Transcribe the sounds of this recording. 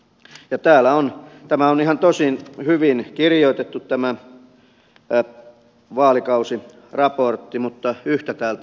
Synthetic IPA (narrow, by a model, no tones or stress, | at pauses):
jɑt̪æːlæont̪æmæonihɑnt̪osinhyʋinkirijoit̪et̪ːut̪tæmæ | ʋɑːlikɑusi | rɑport̪ːimut̪ːɑyht̪æt̪æːlt̪